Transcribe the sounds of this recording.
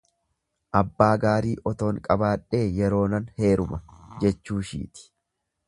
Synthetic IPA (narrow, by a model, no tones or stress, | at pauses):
ʔɐbːaːɡaːɾiːʔɔt̪o̞ːŋkʼɐbaːᶑːe̞ːjɛɾo̞ːnɐnhe̞ːɾʊmɐd͡ʒɛt͡ʃːuːʃḭːt̪ɪ̥